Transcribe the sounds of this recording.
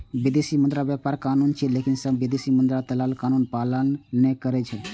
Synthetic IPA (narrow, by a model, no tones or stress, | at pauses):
bid̪esimənd̪ɾabjɛpaːɾkaːnunt͡ʃʰɛlekinsəbbid̪esimənd̪ɾat̪əlalkaːnunpalənːɛkəɾɛt͡ʃʰɛ